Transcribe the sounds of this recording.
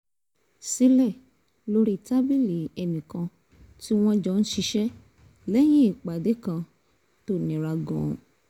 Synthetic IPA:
si˦lɛ˦˨ | lo˦ɾi˦˨ta˦bi˦le˨ɛ˨nĩ˨kã˧ | ti˦w̃ɔ̃˧d͡ʒɔ˧˦ñ̩˦ʃi˧ʃɛ˦ | lɛ˦j̃ĩ˦i˦˨k͡pa˨de˨˦kã˧ | to˦˨nĩ˨ɾa˧ɡɔ̰̃˨

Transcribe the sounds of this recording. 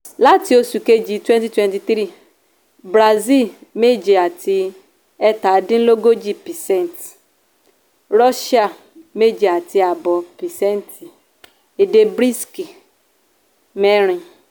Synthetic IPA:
la˦ti˨o˦su˨ke˦d͡ʒi˨˦twɛ˦nti˦twɛ˦nti˨θɾi˦˨ | bɾa˨zi˦lme˦d͡ʒe˨a˨tʰɪ˦ | ɛ˦ta˨˦dɪ˦n̩˦lo˦ɡo˦d͡ʒi˦pi˨sɛ˦n˨t | ɾɔ˦ʃa˦˨ | me˦d͡ʒe˨a˨tʰɪ˦a˨bɔ˨pi˨sɛ˦n˦ti˨ | e˨de˨bɾi˦ski˨ | me˦ɾ̃i˨

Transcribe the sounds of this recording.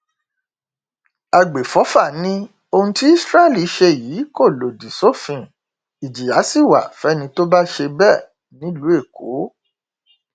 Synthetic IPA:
a˧ɡ͡be˨fɔ˨˦fa˦˨nĩ˦ | o˧hũ˧ti˦i˦sɾa˦˨li˦˧˦ʃe˧jiː˨˦ko˦˨lo˨di˨so˦˨fĩ˧˨ | i˨d͡ʒi˨ja˨˦si˦˨wa̰˨fɛ˨˦nĩ˧to˦ba˦ʃe˧bɛ˦˨ | nĩ˨˦lu˨˦e˦˨ko˨˦

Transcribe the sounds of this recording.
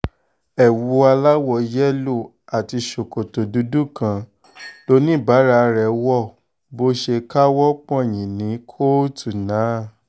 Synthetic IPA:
ɛ˨wu˨˧a˧la˦wɔ˧˨˦jɛ˦lo˦˨ | a˨ti˧ʃo˨ko˨to˨du˨˦du˦kã˧ | lo˦nĩ˦˨ba˨˦ɾa˧ɾɛ˨wɔ˦˨ | bo˧ʃe˧ka˦wɔ˦k͡pɔ̃˦e˨j̃ĩ˨nĩ˨˦kʰo˦tu˨nã˨˦˨

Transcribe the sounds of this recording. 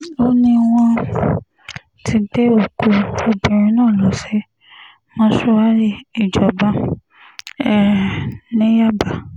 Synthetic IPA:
o˦nĩ˧w̃ɔ̃˧ | tʰi˧de˦o˨ko˧o˧bĩ˨ɾ̃ĩ˨˦nãː˦˨lɔ˨˦sɛ˦ | mɔ̃˦ʃɔ˧a˦ɾi˦˨i˨d͡ʒɔ˨bã˧˦ | ɛ˦˨nĩ˨˦ja˦ba˨

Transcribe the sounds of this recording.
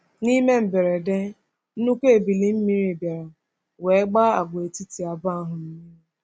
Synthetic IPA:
ni˦me˦m̩˨be˨ɾe˨de˦ | nu˦kʷe˦e˨bi˨li˨m̩˦mi˦ɾi˨bja˨ɾa˨ | we˨˦ɡ͡ba˦a̰˨ɡ͡be˨ti˦ti˨a˨ba˦˨ɦʊ˨ni˦

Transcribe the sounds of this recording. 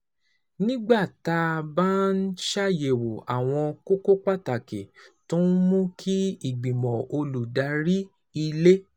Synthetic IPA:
nĩ˦ɡ͡ba˦˨ta˧ba˦n̩˦ʃa˦je˨wo˨a̰˨w̃ɔ̃˧ko˦ko˦k͡pa˦ta˨ke˨tũ˦n˦mũ˦kʰi˦i˦˨ɡ͡bĩ˨mɔ̃˨o˧lu˨da˨˧˦ɾi˦ | i˧le˦

